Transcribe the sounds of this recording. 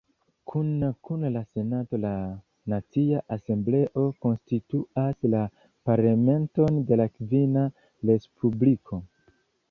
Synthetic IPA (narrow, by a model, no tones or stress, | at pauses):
kʰunkunlase̞nato̞la | nat͡siaʔase̞mble̞ʔo̞ko̞nstituasla | paɾlame̞nto̞nde̞lakvina | ɾe̞spʰublikʰo̞